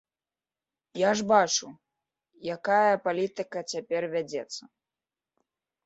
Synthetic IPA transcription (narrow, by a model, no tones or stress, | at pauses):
jaʐbat͡ʂu | jakajɐpalʲit̪ɨkɐt͡sʲapʲɛrvʲad͡zʲɛt̪sːɐ